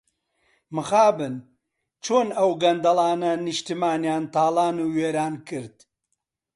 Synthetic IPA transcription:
mɨxaːbɨn | t͡ʃʰoːnɐwɡɐnd̪ɐlˠaːnɐnɨʃt̪ɨmaːnjaːnt̪aːlˠaːnuːweːɾaːnkɨɾd̪

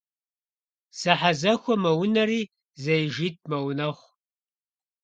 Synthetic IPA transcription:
sɐħazɐxʷɔmɐwʊnɐriː | zɐjʒiːt̚ʰʼmɐwnɐχʷ

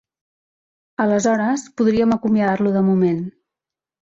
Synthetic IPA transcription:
ələzɔɾəspuðɾiəməkumjəðaɾluðəmumen

